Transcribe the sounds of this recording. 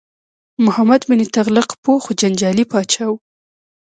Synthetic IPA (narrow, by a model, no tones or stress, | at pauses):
mʊhamad̪bɪnit̪aɣlɪqpoxod͡ʒand͡ʒɑlipɑt͡ʃaw